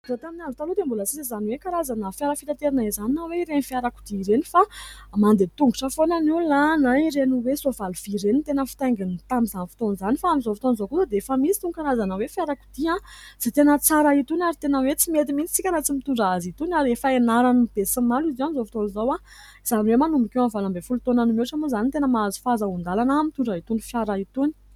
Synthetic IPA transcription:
ɖ͡ʐat̪aminazut̪alud̪embulət͡sizizaniwekaɾazanəfiaɾafit̪at̪eɾinaizaninaweiɾenifiaɾaku̥d̪iɾenifamand̪et̪uŋɡuʈ͡ʂəfonaniwlanaiɾeniwesuavalufiɾenit̪enəfi̥t̪ajŋɡinit̪amizanfi̥t̪onzanifaamizofi̥t̪onzokuzad̪eefəmit͡si̥t̪uŋukaɾazanəwefjaɾaku̥d̪̥iãz̥et̪enət͡saɾait̪unaɾit̪enəwet͡simet̪imint͡si̥t͡sikʲaɾat͡simit̪uɳɖ͡ʐaazit̪unaɾefəenaɾanib̥esəmalizianizofit̪onzowa | iz̥aniwemanumbikewanvalambefulut̪onanimeʈ͡ʂamuzanit̪enəmaazi̥fazaund̪alanamit̪uɳɖ͡ʐait̪unifjaɾait̪uni̥

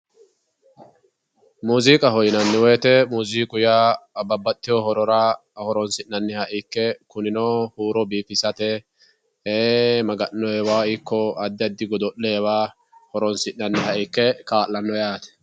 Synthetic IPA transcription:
muːziːkʼɐɦɔjɪnɐnːɪweːt̪ɛmuːziːkʼʊjaːɐbɐbːɐt̪ʼːɪjɔhɔɾɔɾɐɐhɔɾɔnsɪʔːɐnːɪhɐʔɪkːɛkʊnɪnoːhuːɾɔbiːfɪsɐt̪ɛ | eːmɐɡɐnːɔɛwaːɪkːɔɐd̪ːɪɐd̪ːɪɡɔd̪ɔʔːɛɛwaː | hɔɾɔnsɪʔnɐnːɪhɐʔɪkːɛkaːlːɐnːɔjaːt̪ɛ̥

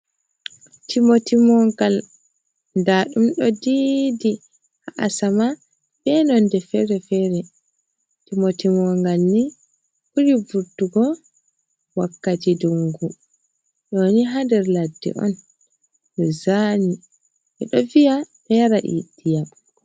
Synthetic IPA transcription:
tʰimotimɔŋɡal | ndaɗumɗɔdidi | haʔasama | bɛnɔndɛfɛɾɛfɛɾɛ | timotimɔŋɡalni | huɾivuɾtːuɡɔ | wakːatiduŋɡu | ɗɔniɦandɛɾladːɛ̰ʔɔ̰n | ɗɛzani | ʔɛ̰ɗɔvijaɓɛɾaʔḭdija

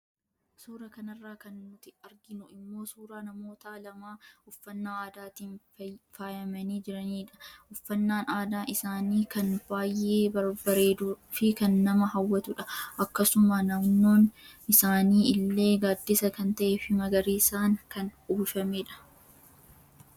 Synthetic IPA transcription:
suːɾɐkɐnɐrːaːkɐnːʊt̪ɪɐɾɡɪnʊɪmːo̞ːsuːɾaːnɐmo̞ːt̪aːlɐmaːʊfːɐnːaːaːd̪aːt̪iːn | faːjɐmɐniːd͡ʒɪɾɐniːᶑɐ̥ʊfːɐnːaːnaːd̪aːʔɪsaːniːkɐnb̥aːjːe̞ːbɐɾbɐɾe̞ːd̪ufɪkɐnːɐmɐɦɐwːɐt̪ʊᶑɐʔɐkːɐsʊmanɐmno̞ːnɪsaːniːɪlːeːɡaːd̪ːɪsɐkɐnt̪ɐʔeːfɪmɐɡɐɾiːsaːŋkɐnuːʃɐmeːᶑɐ̥

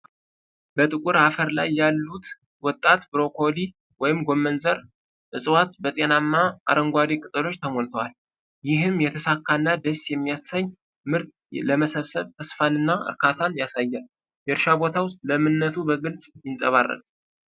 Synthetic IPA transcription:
bət̪ʼɨkʼuɾafəɾla̰jːalːut̪ | wɔt̪ʼːat̪bɨɾo̞kʰo̞li | wɔjɪmɡo̞mːənzəɾ | ʔɨsʼwat̪bət̪ʼenamːaʔa̰ɾəŋɡʷaɾikʼɨt̪ʼəlo̞t͡ʃːt̪ʰəmolt̪ʰəwal | jɪɦɨmjɛt̪ʰəsakʰːanːad̪əsjɛmːijasaɲː | mɨɾt̪ | ləməsəβsəβt̪ʰəsfanɨnːaɨ̰ɾkʰat̪ʰanjasajːal | jɛɾʃabo̞t̪ʰawʊst̪ʼləmɨnːət̪ʰubəɡɨlsʼjɪnsʼəβarːə̰t̪

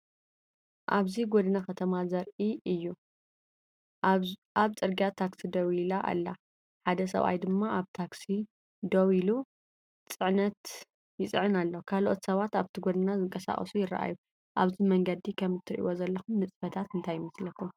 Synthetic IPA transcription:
ʔaβziɡod̪ɨnaxɐt̪ʰɐmazɐɾʔiɨjːu | ʔaβt͡sʼɨɾɡijat̪ʰːaksid̪ɐwilaʔa̰lːa | ħad̪ɐs̬ɐ̰βʔa̰jd̪ɨmːaʔaβt̪ʰaksi | d̪owilu | t͡sʼɨʕnɐt̪ | jɪt͡sʼɨʕɨnalːokʰalʔo̞t̪sɐβat̪aβt̪ʰiɡod̪ɨnazɨŋkʼɐsa̰χʼɐ̰sujɪra̰ʔa̰ju | ʔaβzimɐŋɡɐd̪ikʰɐmːɨt̪ʰːɨɾʔḭwozɐlːɐxumːɨt͡sʼfɐt̪ʰat̪ɨnt̪ʰajːɪmɐslɐkʰːum

